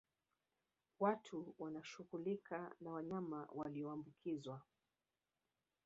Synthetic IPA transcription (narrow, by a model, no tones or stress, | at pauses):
watʰuwanaʃuɣulikʰanawaɲamawaliɔambukʰizwa